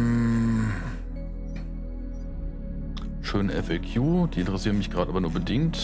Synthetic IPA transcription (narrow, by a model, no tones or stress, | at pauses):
ʃøːnʔɛfɛkʰjuːd̥iːʔɪntəʁɛsiːʁnmɪçɡ̥ʁaːdəʔaːbɐnuɐbədɪŋt